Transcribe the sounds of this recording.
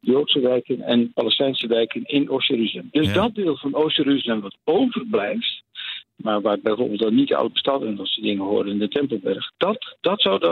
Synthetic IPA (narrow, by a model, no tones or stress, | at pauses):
jowtsəʋɛjkənɛ̰npalɛstɛjnsəʋɛjkənɪnowsjəryzəlɛmdɵsdɔt̚dɪːlˠvɑnowsəryzəlɛmʋɑtowvərblɛjftmaːɹʋaːbɛjvo̰ːɹbɪlˠtɑnːidəɔ̰wt̚əstɑtɛnɑtsədɪŋənhʊːɹdənɪndətɛmpəlˠbɛɹxd̥td̥ɑtsawd